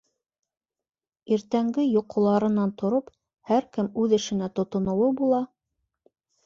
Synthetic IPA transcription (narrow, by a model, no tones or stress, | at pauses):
iɾt̪æŋɡɘjŏqŏlˠɑɾɤ̆nɑnt̪ŏɾop | hæɾkɘmʉðɘ̆ʃɘ̆næt̪ŏt̪ŏnŏwɤbulˠɑ